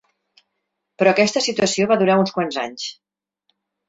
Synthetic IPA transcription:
pɾɔkɛst̪əsit̪uəsioβaðuɾaunskwanza̰ɲs

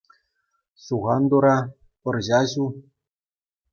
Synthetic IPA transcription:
suɣɑnd̪uɾɑ | pɤ̆rʑɑʑu

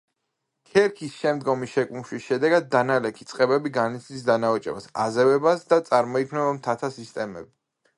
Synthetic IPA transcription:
kʰɛɾkʰisʃɛmd̪ɡɔmisʃɛkʼumʃwisʃɛd̪ɛɡad̪̚ːanalɛkʰit̪sʼqʼɛbɛbiɡanit̪sʰd̪isd̪anaɔt͡ʃʼɛ̰ba̰sa̰zɛvɛbasd̪at̪sʼaɾmɔikʰmnɛbamt̪ʰat̪ʰasist̪ʼɛmɛ̰bi

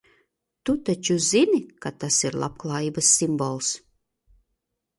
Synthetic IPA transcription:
t̪ut̪at͡ʃuzinikat̪asiɾlˠa̰p̚klˠaːjiːbasːimbɔlˠs

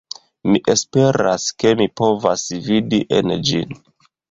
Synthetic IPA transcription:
miʔe̞spe̞ɾa̰ske̞mipo̞vasvidiʔe̞̰nd͡ʒḭn

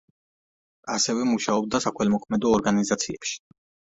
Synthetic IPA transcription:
asɛvɛmuʃaɔb̚d̪asakʰwɛlmɔkʰmɛd̪ɔːɾɡanizat̪sʰiɛpʃi̥

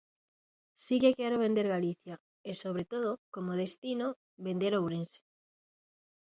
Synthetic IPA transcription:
sikekɛɾoβend̪eɾɣaliθja | esoβ̞ɾet̪oð̞okomoð̞est̪ino | βend̪eɾowβɾense̥

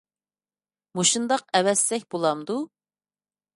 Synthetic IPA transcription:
moʃund̪ɑq̚ɛwɛsːɛk̚ʲbolˠɑmd̪u

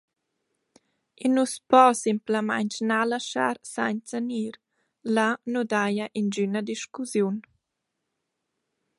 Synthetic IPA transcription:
inuspɔsimpləma̰jɲt͡ʃnalaʃa̰ɾsa̰ɲt͡saniːɾ | lanud̪ajəʔind͡ʒynəd̪iʃkuzjun

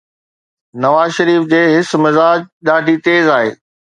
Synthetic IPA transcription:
nɐʋaːzʃɐɾiːfd͡ʑeːɦɪsmɪzaːd͡ʑɗaːɖʱit̪eːzaːɦḛː

